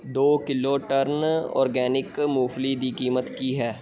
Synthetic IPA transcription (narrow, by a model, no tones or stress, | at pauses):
d̪oːkɪloːʈəɾnɔ̰ːɾɡɛːnɪkmuːflid̪ikiːmət̪kiɦɛː